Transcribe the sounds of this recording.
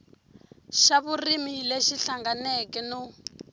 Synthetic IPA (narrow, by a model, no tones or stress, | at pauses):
ʃaβurimileʃiɬaŋɡanɛkɛnu